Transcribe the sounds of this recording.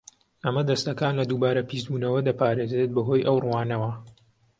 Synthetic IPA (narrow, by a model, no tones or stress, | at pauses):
ɐmɐd̪ɐst̪ɐkaːnlɐd̪ubaːɾɐpist̪buːnɐwɐd̪ɐpaːɾeːzet̪̚bɐɦoːjʔɐwruwaːnɐwɐ